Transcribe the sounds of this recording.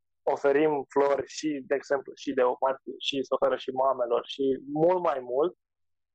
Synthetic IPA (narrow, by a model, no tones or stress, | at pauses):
o̞fe̞ɾimflo̞rʲʃid̪e̞ːɡz̥e̞mpluʃid̪e̞omat̪ʃisofeɾəʃimame̞lo̞rʃimult̪majmult̪̚